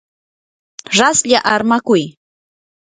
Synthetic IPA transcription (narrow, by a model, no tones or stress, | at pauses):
ɾasʎaʔaɾmakʊj